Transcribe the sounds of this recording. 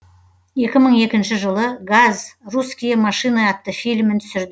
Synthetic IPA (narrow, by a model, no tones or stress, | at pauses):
e̞kʲɪməɴe̞kʲɪnʃɪʒəlˠəɡazruskʲijamɑʃijnɑɑt̪ːəfijlʲmɪnt̪ʰʏ̥sɪɾd̪ɪ